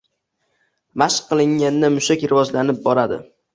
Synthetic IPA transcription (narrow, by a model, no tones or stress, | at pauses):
maʃqqʰːɨlˠɪŋːanːɪmʊʃakʲɾɪvɒd͡ʒlanɪp̚bɒɾad̪ɪ̰